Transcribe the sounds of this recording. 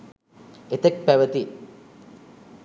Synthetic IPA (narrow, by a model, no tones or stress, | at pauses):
et̪ek̚pæʋət̪i